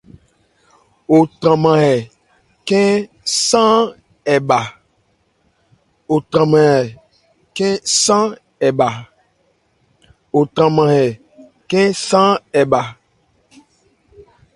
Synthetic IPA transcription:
o˨tɾã˨mã˨hɛ˨ | kɛ̃˦ | sã˦ | ɛ˨ba˨ | o˨tɾã˨mã˨hɛ˨ | kɛ̃˦sã˦ | ɛ˨ba˨ | o˨tɾã˨mã˨hɛ˨ | kɛ̃˦sã˦ɛ˨ba˨

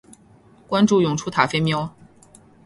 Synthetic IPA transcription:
kwa˥nʈ͡ʂu˥˩jʊ˨˩ŋʈ͡ʂʰu˥t̪ʰa˨˩fe˥ɪmjɑ˥ʊ

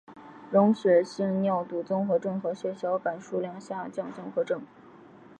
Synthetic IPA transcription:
ɻʊ˧˥ŋɕɥɛ˧˥ɕi˥˧ŋnjɑ˥˩ʊt̪u˨˩t͡sʊ˥ŋxɤ˧˥ʈ͡ʂɤ˥˩ŋxɤ˧˥ɕɥɛ˧˥ɕjɑ˧˥ʊpa˨˩nʂu˥˩ljɑ˧˥ŋɕjɑ˥˧t͡ɕjɑ˥˧ŋt͡sʊ˥ŋxɤ˧˥ʈ͡ʂɤ˥˩ŋ

